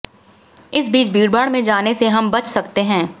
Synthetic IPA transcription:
ɪsbiːt͡ʃbʱiːɽbaːɽmẽd͡ʒaːneseɦɐmbɐt͡ʃsɐkt̪eɦɛ̃ː

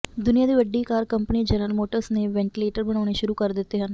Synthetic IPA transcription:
d̪ʊnɪjaːd̪iːʋəɖːiːkaːɾkəmpəniːd͡ʒənəlmoːʈəɾsneːʋɛ̃ːɳʈileːʈəɾbəɽ̃aːɽ̃eːʃʊɾuːkəɾd̪ɪt̪ːeːɦən

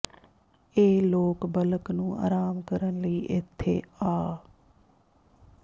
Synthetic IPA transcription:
eːloːkbɐləknũːa̰ːɾaːmkəɾənləiːʔɪt̪ʰːḛaː

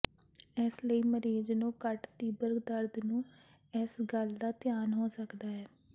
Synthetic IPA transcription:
ɛːsləiːməɾiːznũːkəʈt̪iːbəɾɡd̪əɾd̪nũː | ɪsɡəld̪aːt̪ɪjaːnɦoːsəkd̪aːɦɛː

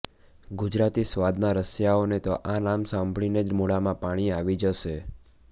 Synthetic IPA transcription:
ɡʊd͡ʒɾat̪isʋad̪naɾəsjaonet̪oʔanamsãmbʱɭined͡ʒmoɭamãpaɽ̃iaʋid͡ʒəʃe

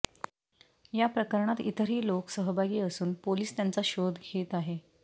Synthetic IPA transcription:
japɾəkəɾɳat̪ḭt̪əɾɦiːloksəɦəbʱaɡiːəsuːnpoliːst̪jant͡saɕod̪ʱɡʱet̪aɦe

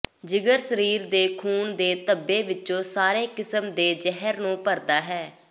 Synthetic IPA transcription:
d͡ʒɪɡəɾsəɾiːɾd̪eːkʰuːnd̪eːt̪əbːeːʋɪt͡ʃːõːsaːɾeːkɪsəmd̪eːd͡ʒɛɦəɾnũːpəɾd̪aːɦɛː

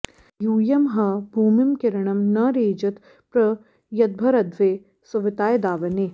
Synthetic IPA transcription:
juːjɐmɦɐbʱuːmɪmkɪɾɐɳɐmnɐɾeːd͡ʒɐt̪ | pɾɐ | jɐd̪̚bʱɐɾɐd̪ʋeː | sɐʋɪt̪aːjd̪aːʋɐneː

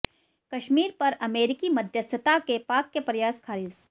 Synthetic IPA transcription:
kɐʃmiːɾpɐɾɐmeːɾɪkimɐd̪ʱjəsət̪akepaːkːepɐɾjaːskʰaːɾɪs

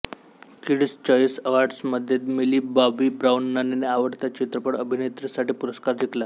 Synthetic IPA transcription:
kiɽst͡ɕɔjsəʋaɖsməd̪ʱːjet̪miliːbabibɾaunːaneneaʋəʈt̪jat͡ɕit̪ɾəpəɽəbʱinet̪ɾisaʈiːpuɾəskaɾd͡ʑikla

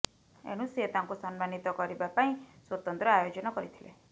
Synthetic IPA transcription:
ḛɽ̃ũsiet̪aŋkusɔnmanit̪ɔkɔɾibapaĩswot̪ɔnt̪ɾɔajod͡ʒɔnɔkɔɾit̪ʰilḛ

